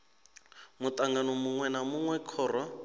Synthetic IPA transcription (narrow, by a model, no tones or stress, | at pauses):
mut̪aŋɡanɔmuŋwɛnamuŋwɛkʰɔːrɔ